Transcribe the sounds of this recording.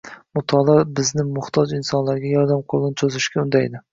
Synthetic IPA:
mʊt̪ʰɒlaɾbɪznɪmʊht̪ʰɒd͡ʒɪnsɒnlaɾɡʲajɒɾd̪amqʰolˠɪnɪt͡ʃ̪ʰɵzɪʃkʲaʊnd̪ajɪd̪ɪ

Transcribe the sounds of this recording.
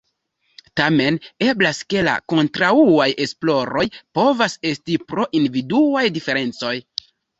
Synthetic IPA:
tame̞ne̞blaske̞la̰ko̞ntɾauaje̞splo̞ɾo̞jpo̞vase̞stipɾo̞ʔindividuajdife̞ɾe̞nt͡so̞j

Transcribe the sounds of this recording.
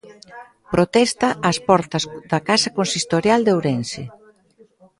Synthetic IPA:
pɾot̪ɛst̪ɐʔːspɔɾt̪ɐsðɐkasɐkonsist̪oɾjald̪owɾɛnse

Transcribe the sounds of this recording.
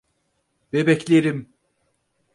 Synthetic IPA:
bebɛclʲeɾim

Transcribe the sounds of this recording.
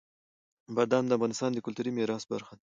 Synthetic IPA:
baɾd̪and̪əafɣɑnɪst̪ɑnd̪əkʊlt̪uɾimeɾɑːsba̰ɾxan

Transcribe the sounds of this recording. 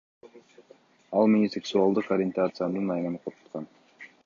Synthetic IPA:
ɑlˠmɪnʲiseksualˠd̪ɯqoɾʲɪent̪at̪sɨjanɯnɑjnɑnɯqʰot̪ʰu̥t̪qʰɑn

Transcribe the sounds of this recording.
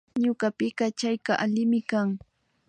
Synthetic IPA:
ɲʊɢɑpɪkɑt͡ʃajkaʔalɪmɪkaŋ

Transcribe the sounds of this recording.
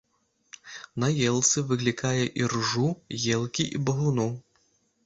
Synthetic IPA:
nɐjɛlˠt̪sɨvɨɣlʲikajɛʔirʐujɛlˠkʲiʔḭbɐɣunu

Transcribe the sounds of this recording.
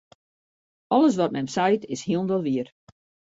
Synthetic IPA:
ɔlˠəs̬ʋɔt̚mɛmsajtɪshiəlˠnʋɔlˠʋiər

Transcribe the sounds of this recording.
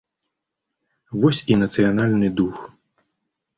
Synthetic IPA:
vɔsʲinɐt̪sɨjanalʲnɨd̪ux

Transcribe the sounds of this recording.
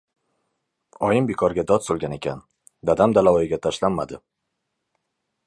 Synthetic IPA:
ɒjɪmbekʰɒɾɡʲad̪ɒd̪solˠɡʲane̞kʲʰa̰n | d̪ad̪amd̪alaɒjɪɡʲat̪ʰaʃlanːad̪ɪ

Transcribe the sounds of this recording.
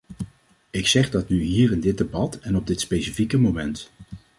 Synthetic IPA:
ɪksɛχdɑtnyɦiːɾɪndɪd̚debɑtɛnɔb̚dɪtspejsifikəmomɛnt

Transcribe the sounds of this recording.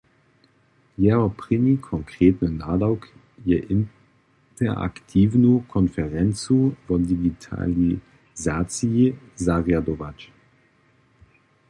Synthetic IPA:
jɛːʁɐpʁ̥ɪnikʰɔŋkʁ̥eːtnənaːdaʊk | jɛʔɪn | tɛɐʔa̰ktʰiːvnukʰɔnfɛʁɛnt͡suvɔdiɡitʰa̰li | zaːt͡sii | zaʁjadɔvat͡ʃ

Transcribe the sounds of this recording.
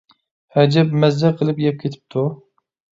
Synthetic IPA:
hɛd͡ʒɛpmɛzːɛqʰəlˠɨpjɛp̚kʲʰet̪ʰɪ̥p̚t̪ʰu

